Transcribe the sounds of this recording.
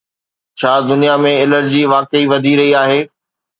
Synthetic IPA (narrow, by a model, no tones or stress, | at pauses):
t͡ɕʰaːd̪ʊnijamẽɪləɾd͡ʑiːʋaːkəiʋɐd̪ʱiɾɐɦiaːɦeː